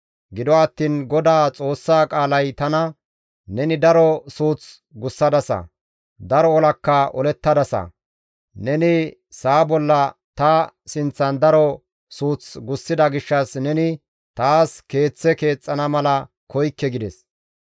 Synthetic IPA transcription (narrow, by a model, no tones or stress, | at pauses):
ɡɪd̪ɔɐt̪ːiːnɡɔd̪aːt͡sʼo̞ːsːaːkʼaːlɐjt̪ɐnɐ | nɛnɪd̪ɐɾɔsuːt͡s | ɡʊsːɐd̪ɐsɐ̰ | d̪ɐɾɔːlɐkːɐɔlɛt̪ːɐd̪ɐsɐ̰ | nɛnɪ | saːbɔlːɐt̪ɐsɪnt͡sːɐnd̪ɐɾɔ | suːt͡sɡʊsːɪd̪ɐɡɪʃːɐsnɛnɪ | t̪aːske̞ːt͡sːɛke̞ːt͡sʼːɐnɐmɐlɐ | kɔjkːɛɡɪd̪ɛs